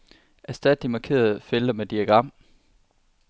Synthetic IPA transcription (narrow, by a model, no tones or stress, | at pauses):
ʔæsd̥ɛd̥̚d̥imɑ̈kʰe̝̰ːɐðˠfeld̥ɐmed̥iæɡ̥ʁɑ̈m̰